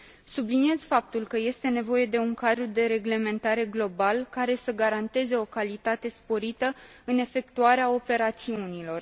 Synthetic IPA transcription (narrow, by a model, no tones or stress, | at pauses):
subliniezfap̚t̪ulkəje̞st̪e̞ne̞vo̞je̞d̪e̞uŋkad̪ɾud̪e̞ɾe̞ɡle̞me̞nt̪aɾe̞ɡlo̞balkaɾe̞səɡaɾant̪e̞ze̞o̞kalit̪at̪e̞spo̞ɾit̪ə | ɨne̞fe̞k̚t̪uaɾeao̞pe̞ɾat̪siunilo̞r